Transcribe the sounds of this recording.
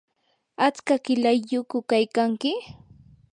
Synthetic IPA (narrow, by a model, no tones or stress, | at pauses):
at͡skakɪlajːʊkʊkajkaŋkɪ